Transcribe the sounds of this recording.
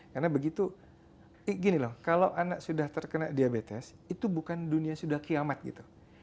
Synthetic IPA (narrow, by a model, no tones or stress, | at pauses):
karnabəɡit̪u | iɡinilɔhkalawʔanaʔsudaht̪ərkənaʔdiabet̪ɛsit̪ubukanduniasudahkiamat̪̚ɡḭt̪u̥